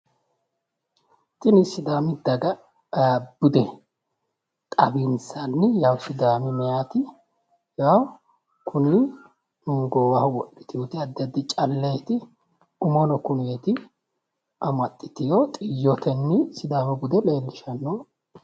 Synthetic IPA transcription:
t̪ʼɪnɪsɪd̪aːmɪd̪ɐɡɐ | bʊd̪ɛ | t̪ʼɐbinsanːɪjawsɪd̪aːmɪmɛjaːt̪ɪ | jaw | kʰʊni | nʊŋɡoːwɐhʊwɔɗːɪ̥t̪ɪjut̪ɪɐd̪ːɐd̪ɪt͡ʃʼɐlːejt̪ɪ | ɡʊmɔnɔkʊnet̪ɪ | ʔɐmɐt̪ʼːɪt̪ɪjot̪ʼɪjːɔt̪ɛnːɪsɪd̪aːmɛbʊd̪ɛleːlːɪʃɐnːo

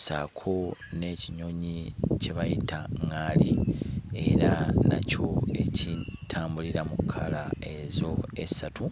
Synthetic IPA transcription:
sa̰kʰo̞ne̞ːciɲo̞ɲice̞βajitaŋːalie̞ɾana̰co̞e̞citʰaːmbuliɾamukʰːalae̞zo̞esatu

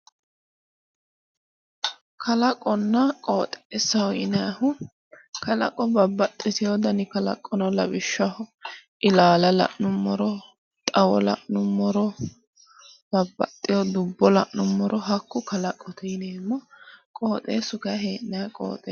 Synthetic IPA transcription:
kʰɐlɐkʼɔnːɐkʼoːt̪ʼeːsɐhɔɪnɛjɐhʊ | kɐlɐ̰kʼːɔbɐbːɐt̪ʼːɪtɪjɔd̪ɐnɪkɐlɐ̰kʼːɔnɐlɐbɪʃːɐhʊʔɪlaːlɐlɐ̰ʔnʊmːɔɾɔ | t̪ʼɐwɔlɐ̰ʔnʊmːɔɾɔ | bɐbːɐt̪ʼːɪjɔd̪ʊbːɔlɐʔnʊmːɔɾʔɔɦɐkːʊkɐlɐkʼːɔt̪ɛjneːmːɔkʼoːt̪ʼeːsʊɡɐɦeːʔnɛɐkʼo̰ːt̪ʼe

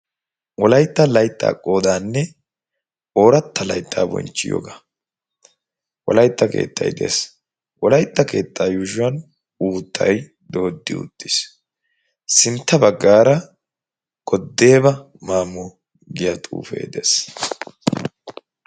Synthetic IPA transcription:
wɔlɐjt̪ːɐlɐjt̪ʼːa̰ːkʼːo̞ːd̪aːnːɛ | o̞ːɾɐt̪ːɐlɐjt̪ʰʼːa̰ːbɔ̰nt͡ʃːɪ̰jo̰ːɡa | wɔlɐjt̪ːɐke̞̰ːt̪ːɐ̰jd̪ḛːs | ʔɔlɐjt̪ʼːɐke̞ːt̪ʼːaːjuʒʊwɐn | uːt̪ʰʼːɐ̰j | d̪o̞ːd̪ːɪ̰ʊ̰t̪ʼːɪs | sɪnt̪ːɐbɐɡːaːɾɐ | ɡ̥ʼɔd̪ːe̞ːbɐ | maːmɔ | ɡɪjɐt̪ʼṵːfḛːd̪eːs

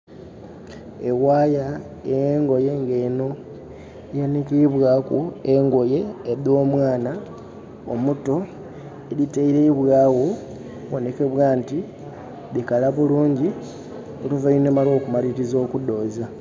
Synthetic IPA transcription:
e̞ɣwaːja | ejeŋɡo̞je̞ŋɡeno̞ | janikiβwakueŋɡo̞je̞ːðo̞ːmwaːna | o̰muto̞ | eliteiɾeiβwaːɣo | βo̞ne̞ke̞βwaːnti | ðikalaβuluːɲɟi | oluvajonemalo̞ːkumaliɾizo̞ːkudo̞ːza

